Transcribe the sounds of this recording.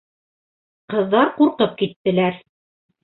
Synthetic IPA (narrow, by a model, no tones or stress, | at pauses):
qɤ̆ðːɑɾquɾqɤp̚kit̪ːɘ̆læɾ